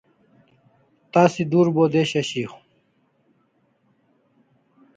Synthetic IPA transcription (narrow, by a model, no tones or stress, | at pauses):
t̪aːsid̪uːɾboːd̪eɕɐɕiːx